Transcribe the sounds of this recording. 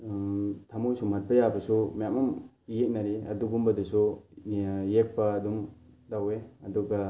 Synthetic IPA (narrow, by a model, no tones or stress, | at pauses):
tʰamojsumat̚pɐjabɐsumjamam | jek̚naɾiɐduɡumbɐdusu | jek̚paːdum | daweɐduɡa